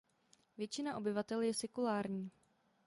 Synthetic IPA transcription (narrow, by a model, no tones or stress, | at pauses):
vjɛt͡ʃɪnaʔo̞bɪvat̪ɛljɛsɛkulaːɾɲiː